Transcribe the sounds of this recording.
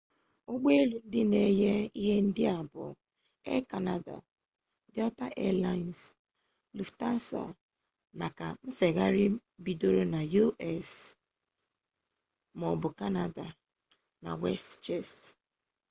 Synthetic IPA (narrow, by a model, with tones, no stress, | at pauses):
o˦ɡ͡be˦e˦lu˨n̩˦dɪ˦ne˦je˦i˦ɦe˦n̩˦dɪ˦a˨bʊ̰˨ | ḛ˦ka˨na˨da̰˨ | dɪ˦ɔ˦ta˦ʔe˦la˦˨ns | lu˨fta˦n̩˦sa̰˨ | na˨ka˨m̩˦fe˨ɣa˦ɾɪ˦bi˨do˦ɾo˦na˨ju˦ʔɛ˦˨s | mɔ˨bʊ˨ka˦na˨da˨ | na̰˨wḛ˦stt͡ʃɛ˦˨st